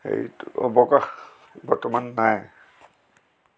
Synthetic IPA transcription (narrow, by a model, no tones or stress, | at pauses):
xḛjɔ̰bɔkax | bɔɹtɔmanːaj